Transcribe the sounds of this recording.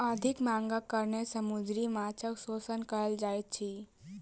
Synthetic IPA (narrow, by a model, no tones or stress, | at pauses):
əd̪ʱikmãːŋɡakəɾnesəmud͡ʒɾimat͡ʃəksoːsənkəɾəld͡ʒaːet̪̚t͡ʃʰi